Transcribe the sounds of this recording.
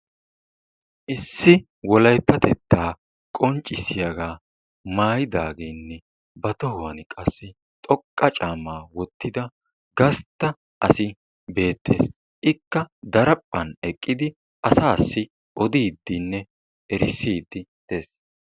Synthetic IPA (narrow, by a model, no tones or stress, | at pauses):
ʔɪsːɪ | wɔlɐjp̪ːɐt̪ɛt̪ːaː | kʼɔnt͡ʃʼːɪsːɪjɐɡaː | maːjɪd̪aːɡeːnːɛ | bɐt̪ɔhʊwɐnkʼɐsːɪ | t̪ʼɔkʼːɐt͡ʃʼaːmaːwɔt̪ːɪd̪ɐ | ɡɐst̪ːɐ | ʔɐsɪ | be̞ːt̪ʰːe̞̰ːs | ʔɪkːɐd̪ɐɾɐpʼːɐnɛkʼːɪd̪ɪ | ʔɐsaːsːɪ | ʔɔd̪iːd̪ːɪnːɛ | ɛɾɪsːiːd̪ːɪd̪̥e̞ːs